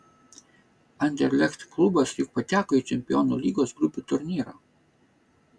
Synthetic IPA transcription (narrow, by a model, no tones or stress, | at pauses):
ɐnʲd̪ʲɛɾʲlʲɛkt̪klˠʊbɐsjʊk̚pɐt̪ʲæːkoːiˑt͡ʃʲɛmʲpʲɪjɔːnulʲiːɡoːsɡɾʊpʲut̪ʊɾʲnʲiːɾɑː